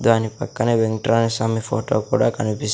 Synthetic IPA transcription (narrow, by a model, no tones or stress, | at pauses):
d̪uanipɐkːɐneʋeŋʈɾanisamifoːʈokuɽakɐnipis